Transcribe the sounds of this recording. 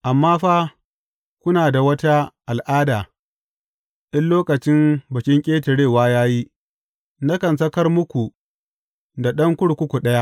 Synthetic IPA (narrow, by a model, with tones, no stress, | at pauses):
ʔa˨mːaː˦ɸaː˦ | kʷʊ˦naː˨da˨wɐ˦ta˦ʔa˨lʔaː˦daː˨ | ɗɪ˦nloː˦kɐ˨t͡ʃɪ˦mbɐ˨kʲɪ˦ŋkʲʼeː˦tɪ˨ɽeː˦˨waː˦jaː˦ji˦ | nɐ˦kɐ˨ns̬ɐ˦kɐ˦rmʊ˦kʷu˨ | da˨ɗɐ˦ŋkʷʊ˦ɽkʷʊ˦kʷu˨ɗɐ˦ja˦ʔ